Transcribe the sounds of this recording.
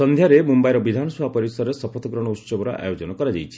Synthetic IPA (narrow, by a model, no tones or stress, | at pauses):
sɔnd̪ʱjaɾemumbajɾɔbid̪ʱanɔsɔapɔɾisɔɾesɔpʰɔt̪ʰɔɡɾɔɽ̃ɔut͡ʃɔbɔɾɔ̰ʔa̰jod͡ʒɔnɔkɔɾad͡ʒajʰi̥